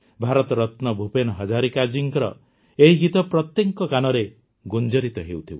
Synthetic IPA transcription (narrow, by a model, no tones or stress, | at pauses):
bʱaɾɔt̪ɔɾɔt̪nɔbʱupenɔɦɔd͡ʒaɾikad͡ʒiŋkɔɾɔ̰ | eɦiɡit̪ɔpɾɔt̪jeŋkɔkanɔɾe | ɡund͡ʒɔɾit̪ɔɦewt̪ʰiw